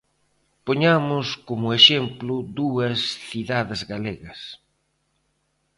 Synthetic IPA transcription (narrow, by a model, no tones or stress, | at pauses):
poɲamʊskomʊeʃemplʊd̪uɐsθiðaðɪzɣaleɣɐs